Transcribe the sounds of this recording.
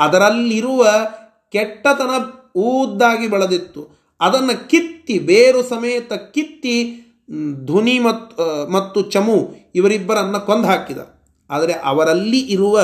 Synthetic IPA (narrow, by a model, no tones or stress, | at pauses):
ɐd̪ɐɾɐlːiɾuʋɐ | kɛʈːɐt̪ɐnɐuːd̪ːaːɡibɐɭɐd̪it̪ːu | ɐd̪ɐnːɐkit̪ːibeːɾusɐmɐjːɐt̪ɐkit̪ːi | d̪ʱunimɐt̪mɐt̪ːut͡ʃɐmuiʋɐɾibːɐɾɐnːɐkond̪ʱaːkid̪ɐ̰ | aːd̪ɐɾeʔɐ̰ʋɐɾɐlːiʔiɾuʋɐ